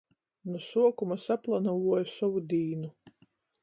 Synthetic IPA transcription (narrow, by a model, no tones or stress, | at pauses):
nusuɔkumasaplˠanavuɔjusɔvud̪iːnu